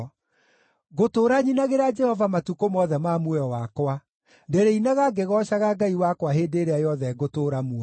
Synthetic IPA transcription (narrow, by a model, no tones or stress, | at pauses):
ɣotoːɾaɲinaɣeɾad͡ʒɛhɔvamatukomɔðɛmamwɛɔwakwa | ndeɾeinaɣaɡeɣɔɕaɣaɡaiwakwaɦeːdeɾeajɔðɛɡotoːɾamua